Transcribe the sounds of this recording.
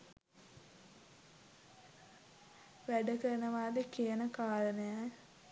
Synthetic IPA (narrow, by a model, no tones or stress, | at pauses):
ʋæɖəkəɾənəʋaːd̪ekiənəkaːɾənəja